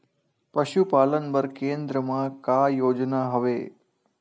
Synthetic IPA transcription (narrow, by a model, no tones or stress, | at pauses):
pɐʃupaːlənbəɾkẽːnd̪ɾəmãkaːjoːd͡ʒnaɦɐʋḛː